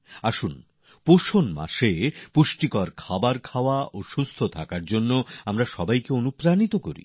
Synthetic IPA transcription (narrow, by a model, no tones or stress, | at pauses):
aʃun | poʃonma̰ʃepuʃʈikɔɾkʰabaɾkʰaoaʔoʃust̪ʰot̪ʰakaɾd͡ʑonːoamɾaʃɔbajkeonupɾanit̪okoɾḭ